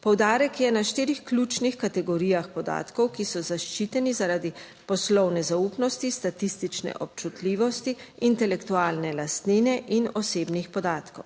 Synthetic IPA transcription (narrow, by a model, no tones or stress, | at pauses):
pɔwd̪aːɾɛkjɛnaʃt̪iːɾixklʲut͡ʃnixkat̪ɛɡɔɾiːjaxpɔd̪a̰ːt̪kɔwkisɔzaʃt͡ʃiːt̪ɛnizaɾaːd̪i | pɔslɔwnɛzaupnɔst̪ist̪at̪ist̪it͡ʃnɛ̰ʔɔp̚t͡ʃut̪liːʋɔst̪iint̪ɛlɛkt̪uaːlnɛlast̪ninɛʔinɔseːbnixpɔd̪aːt̪kɔw